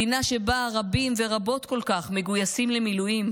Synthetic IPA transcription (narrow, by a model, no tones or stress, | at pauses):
inaʃe̞baʁabimve̞ʁabo̞t̪ko̞lkaχme̞ɡujasimlemilujim